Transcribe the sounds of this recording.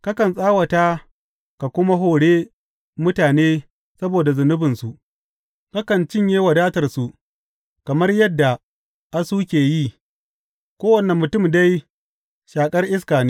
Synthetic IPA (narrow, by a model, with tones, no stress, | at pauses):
ka˦kɐ˨nsʼaː˦wɐ˨ta˦ | ka˨kʷʊ˦ma˦ɦoː˨ɽeː˦ | mʊ˦taː˨neː˦ | sɐ˦boː˨da˨zʊ˨nʊ˦bɪ˨nsu˨ʔ | ka˦kɐ˨nt͡ʃɪ˦ɲjeː˦wɐ˨daː˦tɐ˨rsu˨ʔ | kɐ˨mɐ˦rjɐ˦dːa˨ | ʔa˦suː˦kʲeː˨ji˦ | kʷoː˦wɐ˨nɐ˨mːʊ˨tʊ˦˨mda˦j | ʃaː˨kʼɐ˦rʔɪ˦skaː˨ne˦